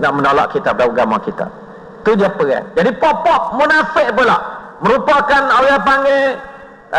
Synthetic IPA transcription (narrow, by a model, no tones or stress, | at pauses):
naʔmənola̰ʔkit̪apadauɡamakit̪a̰ | t̪udiapəa̰d͡ʒadipɔʔpɔʔ̚munafɪʔap̬əlah | mə̃ɾupakanoɣapaŋe